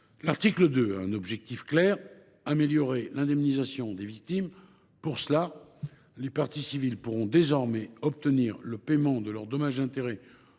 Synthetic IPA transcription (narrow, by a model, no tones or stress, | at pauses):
laʁt̪ikləd̪øaɛ̰̃nɔbʒɛk̚t̪ifklɛːʁ | ameljɔʁelɛ̃d̪ɛmnizasjɔ̃d̪evik̚t̪im | puʁsəla | lepaʁt̪isivilpuʁɔ̃d̪ezɔʁmɛɔpt̪əniːʁləpemɑ̃d̪əlœʁd̪ɔmaʒɛ̃t̪eʁe